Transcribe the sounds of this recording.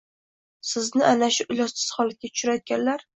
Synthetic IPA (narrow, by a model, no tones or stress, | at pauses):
sɪznɪʔanaʃʊʔʊlɒsɪ̥z̥χɒlat̪̚ɡʲat̪ʰʊ̥ʃʊɾajɒt̪̚ɡʲanlaɾ